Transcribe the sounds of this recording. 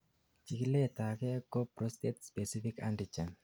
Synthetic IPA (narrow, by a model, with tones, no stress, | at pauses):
t͡ʃi˨ki˦le˦˨ta˨kɛ˦ko˦pɾo˦ste˦tspe˨si˦fi˦ka̰ndi˨t͡ʃa˨n